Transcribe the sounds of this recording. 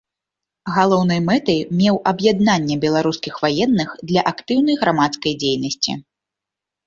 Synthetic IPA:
ɣalˠɔwnɐjmɛt̪ɐjmʲɛwʔɐbjad̪̚nanʲːɛbʲɛlˠaɾuskʲixvajɛnːɨxd̪lʲɐʔakt̪ɨwnɐjɣɾamat̪skɐjd͡zʲejnɐsʲt͡sʲḭ

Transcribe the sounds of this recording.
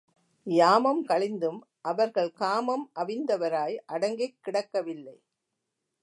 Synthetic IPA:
jaːmɐmkɐɭɪnd̪ɯm | ʔɐʋɐɾɣɐɭkaːmɐmʔɐʋɪnd̪ɐʋɐɾaːjʔɐɽɐŋɡɐɪkːɪɽɐkːɐʋɪlːɐɪ

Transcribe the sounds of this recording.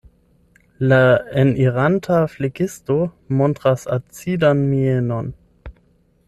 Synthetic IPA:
laɛniʁantʰafleɡɪsto | mɔntʁasa̰t͡sidanmienɔn

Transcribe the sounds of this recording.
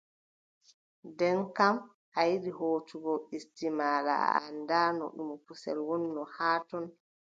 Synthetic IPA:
dɛnkam | ʔajiɗihoːtuɡɔistimaːla̰a̰ndaːnɔ̰ɗumɔpusɛ̰lwɔnːɔhaːtɔn

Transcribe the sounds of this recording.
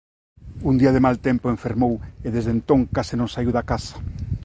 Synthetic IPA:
und̪iɐðɪmalt̪empoeɱfeɾmoweðezðent̪õŋkasɪnõŋsaiwðakasɐ̥

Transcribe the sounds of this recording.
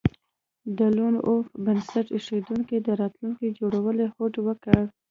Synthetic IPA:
d̪əlonʔofbənsaʈeʂed̪uŋkid̪əɾɑt̪luŋkid͡ʒoɽawəlehoʈwəkəɽ

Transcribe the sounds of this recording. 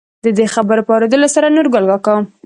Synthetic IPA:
d̪əd̪exabəɾopəɑɾod̪əlosaɾanoɾɡʊlɡɑkawəm

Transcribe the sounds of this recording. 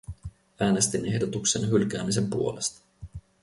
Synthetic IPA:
æːne̞st̪ine̞hdot̪ukse̞nɦylk̟æːmise̞mpuo̞lest̪ɑ̥

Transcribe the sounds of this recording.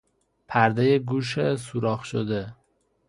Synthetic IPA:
pʰæɾd̪ejeɡuːʃ̬esuɾɒːxʃod̪e

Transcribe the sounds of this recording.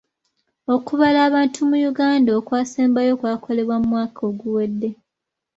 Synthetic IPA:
o̞kuβalaːβaːntʰumujuɡaːndaoːkwaːseːmbajo̞kwaːkʰo̞le̞βwamumwaːkʰo̞ːɡuwe̞dːe̞

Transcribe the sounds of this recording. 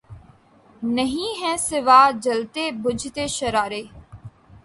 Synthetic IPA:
nəɦĩːɦɛ̃ːsɪʋaːd͡ʒəlt̪eːbʊd͡ʒʱt̪eːʃəɾaːɾeː

